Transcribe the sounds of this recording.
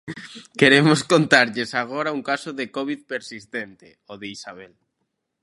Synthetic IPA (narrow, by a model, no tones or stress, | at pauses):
keɾemoskont̪aɾʎesaɣ̞oɾauŋkasoðekɔβiðpeɾsist̪ent̪e | oðeisaβɛl